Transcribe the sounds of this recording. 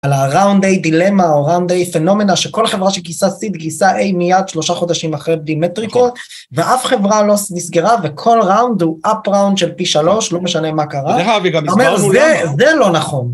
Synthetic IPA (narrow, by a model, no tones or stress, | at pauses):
alaʁawnd̪ejd̪ile̞maoʁawnd̪ejfeno̞me̞naʃeko̞lχe̞vʁaʃelɡisasid̪ɡisaʔe̞jmijad̪ʃlo̞ʃaχo̞d̪aʃimaχʁeb̚d̪imet̪ʁiko̞t̪ | veʔafχe̞vʁalo̞smisɡeʁavekʰo̞lʁawnd̪uʔapʁawnd̪ʃelpiʃalo̞ʃlo̞meʃanemakaʁaeaviɡomeʁzezelo̞naχo̞n